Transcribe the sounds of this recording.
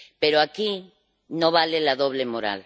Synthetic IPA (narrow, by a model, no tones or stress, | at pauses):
peɾoaki | no̞βalelaðo̞β̞lemo̞ɾa̰l